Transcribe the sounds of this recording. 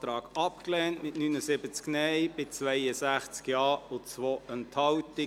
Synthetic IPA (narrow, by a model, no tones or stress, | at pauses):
tɾɑːɡɑpklɛːntmɪtnyːnəsɪbət͡sknɛɪb̥ɪt͡sʋɛɪəsæχt͡skjɑːʊt͡sʋoəntʰhɑltɪ